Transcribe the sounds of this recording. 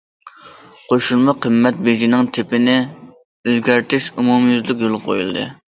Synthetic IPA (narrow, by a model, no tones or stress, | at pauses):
qʰoʃulˠmɑqʰəmːɛt̪̚bed͡ʒinɪŋt̪ʰɪpɪnɪ | øzɡʲæɾt̪ʰɪʃumumjyzlykʲjolˠʁqʰo̰jṵlˠd̪ɨ̰